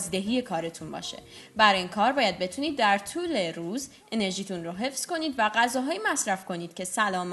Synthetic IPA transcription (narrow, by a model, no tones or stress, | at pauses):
zid̪eɦiːje̞kʰɒːɾe̞t̪ʰunbɒ̰ːʃe̞̰bæɾinkʰɒːɾbɒːjæd̪̚be̞t̪ʰuniːd̪ːæɾt̪ʰuːle̞ɾuːz | e̞ne̞ɾʒiːt̪ʰunroɦe̞fz̥ko̞niːd̪væɡæzɒːɦɒːjimæsɾæfko̞niːd̪̥̚cʲʰe̞sælɒːm